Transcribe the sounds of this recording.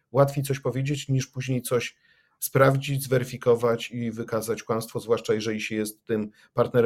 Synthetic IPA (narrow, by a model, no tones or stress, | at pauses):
wat̪fʲejt̪sɔɕpɔvʲjed͡ʑet͡ɕɲiʂpuʑɲejt̪sɔɕ | spɾavd͡ʑid͡ʑzvɛɾɘfʲikɔvat͡ɕivɘkazat͡ɕkwam̃st̪fɔzvwaʂt͡ʂajɛʐɛlʲiɕɛjɛst̪ːɘm | paɾt̪nɛɾ